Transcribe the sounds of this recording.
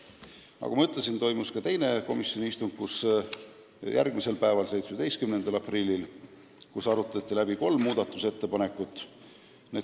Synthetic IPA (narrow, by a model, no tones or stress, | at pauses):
nʔɑ̰kumɑmɯt̪ːˑlesint̪o̞jmuskɑt̪e̞jne̞ko̞misjo̞nʲiist̪uŋɡ̥̚kus | jʔæ̰rɡ̥mise̞lpæevɑlse̞jt̪smed̪e̞jst̪kymnend̪̥ɑlɑprilʲːil | kusɑɾut̪ːˑɑt̪ʲːilæbiko̞lmːuːd̪̥ɑt̪ːˑuse̞t̪ːe̞pɑne̞kːˑut̪ːˑ | ne